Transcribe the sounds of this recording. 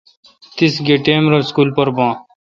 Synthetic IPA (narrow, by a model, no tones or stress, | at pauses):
t̪ɪsɡeːʈeːmɾəːskuːlpəɾbãː